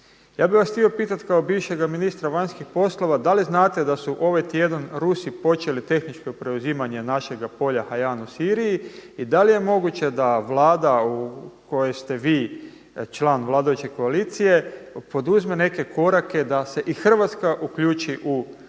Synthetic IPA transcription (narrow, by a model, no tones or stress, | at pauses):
jaːbiʋasxt̪io̞piːt̪at̪kaobiːʋʃe̞ɡaminist̪ɾaʋaɲskixpo̞slˠo̞ʋad̪aliznaːt̪e̞d̪asuʔo̞ʋajt̪je̞d̪anɾusipo̞t͡ʃe̞lit̪e̞xnit͡ʃko̞pɾe̞uziːmaɲe̞naʃe̞ɡapo̞ʎahajaːnusiːɾijiid̪alije̞mo̞ɡut͡ʃe̞d̪aʋlˠaːd̪auko̞jest̪e̞ʋiː | t͡ʃlaːnʋlˠaːd̪ajut͡ʃe̞ko̞aliːt̪sije̞po̞d̪uzme̞ne̞ke̞ko̞ɾake̞d̪ase̞ʔixr̩ʋat̪skaʔukʎuːt͡ʃiʔu